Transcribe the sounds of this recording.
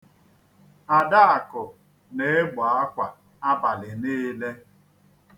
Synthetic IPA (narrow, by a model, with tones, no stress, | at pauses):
a˨da˦a˨kʊ˨ | ne˨e˦ɡ͡bɔ˨a˦kʷa˨ | a˦ba˨lɪ˨niː˦le˦